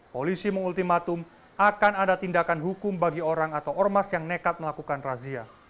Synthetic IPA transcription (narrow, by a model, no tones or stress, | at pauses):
polisiməŋult̪imat̪ʊm | akanadat̪indakanɦukʊmbaɡioɾaŋat̪awɔrmasjaŋnekat̪̚məlakukanrazia